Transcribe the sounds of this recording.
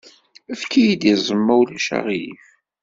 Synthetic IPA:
əfkʰːijid̪izˤəmːæwlæʃa̰ʁiif

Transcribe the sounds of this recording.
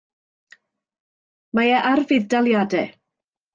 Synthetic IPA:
majɛʔarvɪðdalˠjadɛ

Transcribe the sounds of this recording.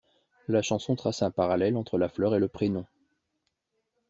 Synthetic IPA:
laʃɑ̃sɔ̃t̪χasɛ̃paʁalɛlɑ̃t̪χəlaflœʁeləpχenɔ̃

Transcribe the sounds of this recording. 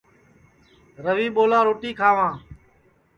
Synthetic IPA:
ɾəʋiːɓoːlãːɾoːʈiːkʰaːʋãː

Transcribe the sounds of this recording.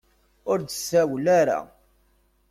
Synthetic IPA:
ʊɾd̪əsːæwlaɾa̰

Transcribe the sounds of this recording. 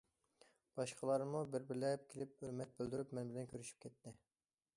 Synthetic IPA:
b̥ɑʃqʰəlˠɑɾmubɪɾbɪɾlɛp̚kʲʰelɪp̚ømɛt̪̚bøld̪yɾypmɛnbɪlɛnkʲʰøɾyʃy̥p̚kʲʰɛt̪ʰːɪ

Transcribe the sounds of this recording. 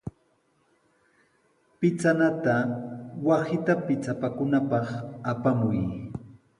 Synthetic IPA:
pɪt͡sanat̪awasɪt̪apɪt͡sapakʊnapɑχapamʊj

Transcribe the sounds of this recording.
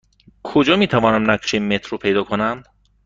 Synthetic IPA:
kʰod͡ʒɒːmiːt̪ʰævɒːnæmnækʰo̥ʃimmːet̪ʰɾopʰe̞jd̪ɒːkʰonæm

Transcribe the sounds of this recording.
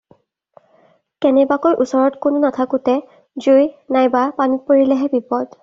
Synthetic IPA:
kɛnɛbakojʔusɔɹɔtkonʊnatʰakʊtɛ | zujnajbapanit̚poɹilɛɦɛbipɔd

